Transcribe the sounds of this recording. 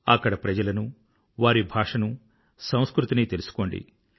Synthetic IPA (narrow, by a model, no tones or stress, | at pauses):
ɐkːɐɽɐpɾɐd͡ʒɐlɐnu | ʋaːɾibʱaːʂɐnu | sɐ̃w̃skɾut̪iniːt̪e̞lusu̥ko̞ːɳɖḭ